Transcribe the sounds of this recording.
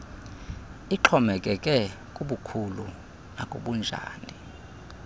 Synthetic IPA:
iǁʰɔmɛkʼɛkʼɛ | kʼuɓukʰulu | nakʼoɓund͡ʒʱa̰ːni

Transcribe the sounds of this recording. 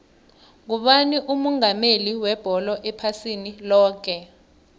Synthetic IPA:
k̬uɓaniʔumɔŋameliwɛb̥ʱɔlɔʔɛpʰasinilɔːk̬ɛ

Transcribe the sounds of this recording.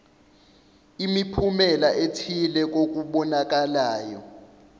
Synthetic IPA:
imipʰumɛlaʔetʰilɛk̬ok̬uɓɔnak̬ʼalaːjɔ

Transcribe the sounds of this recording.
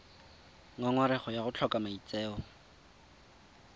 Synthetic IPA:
ŋaŋwaɾɛχɔjaɣʊt͡ɬʰɔkʼamait͡sʼeːɔ

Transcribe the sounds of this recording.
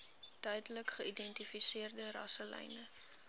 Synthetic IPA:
d̥œɥdələkχəidɛntifisiərdəɾɐ̰səlɛ̰jnə

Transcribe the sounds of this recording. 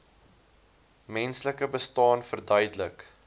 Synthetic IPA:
mɛnsləkəbəstɑːnfərdœɥdələk

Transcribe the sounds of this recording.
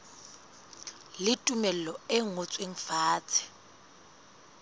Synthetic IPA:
lɪtʼumɛlɛlɔeŋɔt͡sʼweŋ̩faːt͡sʰɛ̥

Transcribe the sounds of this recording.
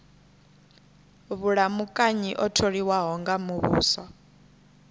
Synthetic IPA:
βuɺamukʼaɲiʔɔtʰoɺiwaɦɔŋɡamuβṵːsɔ

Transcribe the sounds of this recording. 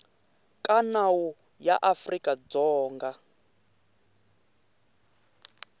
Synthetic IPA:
kʼanawu | ja̰ʔafrikʼad͡zɔːŋɡa

